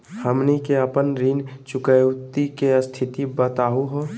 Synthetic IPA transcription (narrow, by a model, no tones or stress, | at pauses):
həmnikeəpənɾiːnt͡ʃʊkəjt̪ikest̪ʰɪt̪ibət̪aːuɦoː